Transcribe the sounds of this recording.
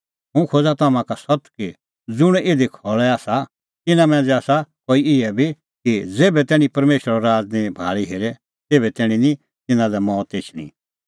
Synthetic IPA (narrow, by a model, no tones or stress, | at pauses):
ɦũkʰoːd͡zat̪aːmãkasɔt̪ki | d͡zʊɽ̃ed̪ʱikʰɔɭɛaːsa | t̪ɪnãmɛ̃ːd͡zɛaːsakoːiɪɛbʱi | kid͡zeːbɛt̪ɛːɽ̃ĩpɐɾmeːʃɾəɾɔɾaːd͡znĩbʱaːɭiɦeːɾɛ | t̪eːbɛt̪ɛːɽ̃ĩnĩ | t̪ɪnãlɛmɔ̃ːt̪eːt͡ʃʰnḭ̃